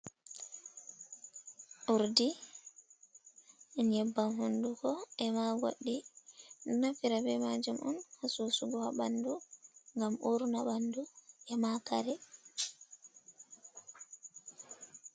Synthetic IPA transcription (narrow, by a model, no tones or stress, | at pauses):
ʔuɾdi | njɛbːanɦundukɔʔɛmaɡoɗːi | nafiɾabɛmad͡ʒumʔɔnhasusuɡɔhaɓanduŋɡamʔuɾnabanduʔɛmaka̰ɾɛ